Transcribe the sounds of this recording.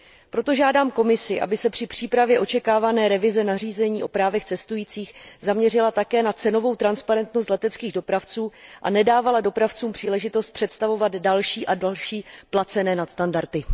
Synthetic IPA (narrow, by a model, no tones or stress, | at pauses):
pɾo̞t̪o̞ʒaːdaːmko̞mɪsɪʔa̰bɪsɛpr̝̥ɪpr̝̥iːpɾavjɛʔo̞t͡ʃɛkaːvanɛːɾɛvɪzɛnariːzɛɲiːʔo̞pɾaːvɛxt͡sɛst̪ujiːt͡siːxzamɲɛrɪlat̪akɛːnat͡sɛno̞vo̞wt̪ɾanspaɾɛnt̪nost̪lɛt̪ɛtt͡skiːɣdo̞pɾaft͡suːʔa̰nɛdaːvalado̞pɾaft͡suːmpr̝̥iːlɛʒɪt̪o̞st̪̚pr̥ɛt̪st̪avo̞vad̪dalʃiːʔadalʃiːplat͡sɛnɛːnat̪st̪andaɾt̪ɪ